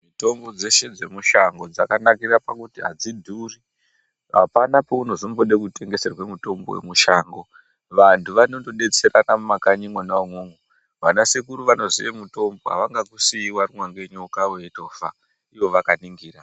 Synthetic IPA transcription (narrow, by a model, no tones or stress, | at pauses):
mito̞mbo̞d͡ze̞ʃe̞d͡ze̞muʃaŋɡo̞d͡zakanakirapakutiɦa̰d͡zidʱuːri | ɦa̰panapo̞uno̞zombo̞ɗe̞kutʰe̞ŋɡe̞serwemuto̞mbowḛmuʃaːŋɡo | ʋantʰuʋano̞ndo̞ɗe̞t͡seranamumakaɲimwonaomwoŋɡu | ʋanasekuɾuʋano̞ziʋemuto̞mbo̞ɦa̰ʋaŋɡakusiwarimwaŋɡe̞ɲokawe̞ito̞ːfa̰ | iʋo̞ʋakaniŋɡiːra